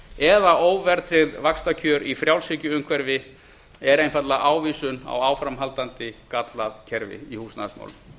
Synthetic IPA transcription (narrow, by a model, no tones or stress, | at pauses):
ɛðaʔoːwvɛɾt̪ʰɾɪðvakst̪acʰœɾifɾjawlsɪcʏʏmkʰvɛɾvɪ | ɛɾejnfat̪laʔaːwviːsʏna̰waːwfɾamɦalt̪ant̪ɪkat̪laðcʰɛɾvɪ̰ihuːsna̰ðsma̰wlʏ